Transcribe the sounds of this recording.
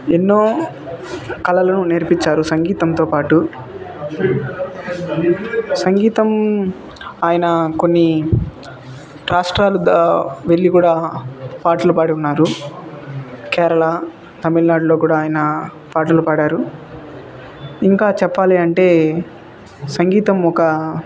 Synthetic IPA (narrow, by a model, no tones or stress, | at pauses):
enːo̞ː | kɐlɐlɐnuneɾpiɲt͡ʃaːɾusɐŋɡiːt̪ɐmt̪o̞ːpaːʈu | sɐŋɡiːt̪ɐm | aːjɐnɐko̞nːi | ɾaːʂʈɾaːlud̪ɐʋe̞ɭːikuːɽaːpaːʈɐlupaːɽiunːaːɾu | kɛːɾɐɭɐ | t̪ɐmilnaːɖlo̞ːkuːɽaːjɐnɐ | paːʈɐlupaːɽaːɾu | iŋkaːt͡ʃɛpːaːliɐɳʈe̞ː | sɐŋɡiːt̪ɐmɔkɐ